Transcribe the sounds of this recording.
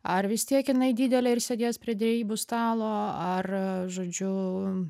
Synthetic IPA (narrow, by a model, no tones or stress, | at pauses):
ɐrʋʲɪst̪ʲiɛkɪnɐɪd̪ʲiːd̪ʲɛlʲɛɪɾsʲed̪ʲiɛspʲɾʲiɛd̪ʲɾʲɛiːbʊst̪ɑːlˠoːɐrʒoːd͡ʒʲʊ